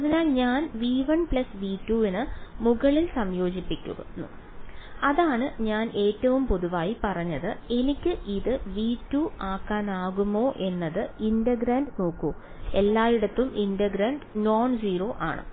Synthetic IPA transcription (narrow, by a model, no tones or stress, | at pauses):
ɐðinaːlɲaːnʋiːʋɐnplɐsʋiːtːuːinɨmuɣɐɭilsɐmjo̞ːd͡ʑipːikʲːṵɣɐ̰nːṵ | ɐðaːɳɨɲaːnʔe̞ːtːɐʋumpo̞ðuʋaːjipɐrɐɲːɐðɨe̞nikʲːɨʔiðɨʋiːtːuːaːkːaːnaːɣumo̞ːʔe̞nːɐðɨindɐɡɾaːnɖno̞ːkːoː | e̞lːaːjiɽɐt̪ːumindɐɡɾɐːnɖno̞ːnsiːro̞ːʔa̰ːɳɨ̰